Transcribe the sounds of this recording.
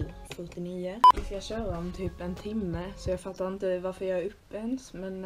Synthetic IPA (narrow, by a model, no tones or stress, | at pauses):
fœʈɪniːəʋɪskajɑɕøːɾaɔmt̪ʰyːpɛnt̪ʰɪmːəsɔjɑɡfat̪ːaɾɪnt̪əvaɾfəɾjɑɾɵpːɛnsmɛn